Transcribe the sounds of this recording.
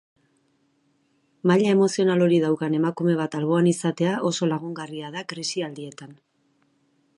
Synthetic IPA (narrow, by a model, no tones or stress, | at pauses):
maʎae̞mo̞sio̞nalo̞ɾið̞awkane̞makume̞β̞at̪alβo̞anisat̪e̞aʔo̞so̞laɣuŋɡariað̞akɾesiald̪ie̞t̪an